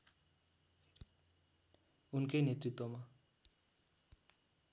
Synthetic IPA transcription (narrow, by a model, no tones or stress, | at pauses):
unkejnet̪rit̪wʌma